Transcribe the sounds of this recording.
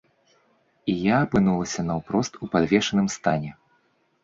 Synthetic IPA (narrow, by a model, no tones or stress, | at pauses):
ijaːpɨnulˠɐsʲɐnɐwpɾɔst̪upad̪vʲɛʂɐnɨmst̪anʲɛ